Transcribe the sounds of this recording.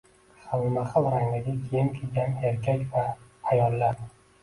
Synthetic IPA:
χawmaχɨlˠɾaŋd̪aɡʲakʲʰijɪmkʲʰelɡʲaneɾkʲʰakʲvaːjɒlːaɾ

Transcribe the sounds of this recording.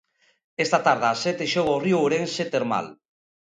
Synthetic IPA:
est̪at̪aɾð̞aːsɛt̪eʃoɣoriooɾenset̪eɾma̰l

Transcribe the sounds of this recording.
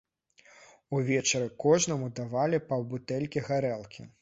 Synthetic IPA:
uvʲɛt͡ʂɐɾɨkɔʐnɐmud̪avalʲipɐwbut̪ɛlʲkʲiɣaɾɛlˠkʲḭ

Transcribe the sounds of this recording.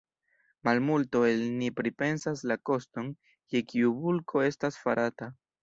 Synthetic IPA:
malmulto̞elnipɾipe̞nsaslako̞sto̞n | ke̞kʰiubulkʰo̞e̞stasfaɾʔata

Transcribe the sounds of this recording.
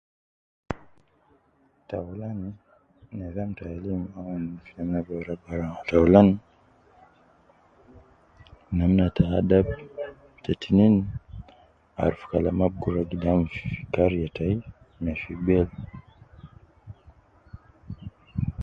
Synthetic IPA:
taulani | nɛðamtaalimawanfinamabaɾabaɾaataulani | namnatʰaadab | tɛtinin | a̰ɾufu̥kalamab̚ɡuɾaɡidamffi̥kaɾjatai | mɛfiɡ͡bɛl

